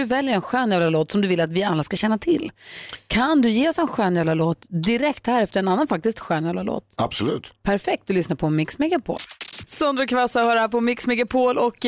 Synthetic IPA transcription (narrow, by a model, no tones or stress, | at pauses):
ɵvɛljəɾɛnɧøːnjaːvlaloːt̪sɔmd̪ɵvɪlːat̪vɪalːaskaɕɛnːat̪ʰɪlːkʰand̪ɵjeːɔsɛnɧøːnjaːlaloːt̪d̪ɪɾɛkt̪hæːɾɛft̪əɾɛnanːanfak̚t̪ɪskt̪ɧøːnjablalo̰ːt̪a̰b̥sɔlʉ̟ːt̪pʰæɾfɛk̚t̪̚d̪ɵlʏsnaɾpʰɔmɪksmɛɡapʰo̰ːlsɔnd̪ɾɔkʰvasahːɾapɔmɪksmɛɡapʰoːlɔk